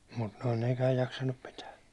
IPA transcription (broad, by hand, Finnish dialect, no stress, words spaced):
mut noi nekæːj jɑksɑnːup pitæː